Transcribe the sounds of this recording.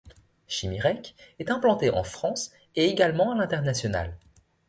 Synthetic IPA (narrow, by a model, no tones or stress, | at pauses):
ʃimiʁɛkɛt̪ɛ̃plɑ̃t̪eʔɑ̰̃fχɑ̃s | eeɡalmɑ̃alɛ̃t̪ɛʁnasjɔna̰l